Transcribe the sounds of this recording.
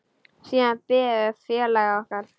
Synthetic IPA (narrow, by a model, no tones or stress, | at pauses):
siːðanpɪːɛfjɛːlaɣaɔhkaɾ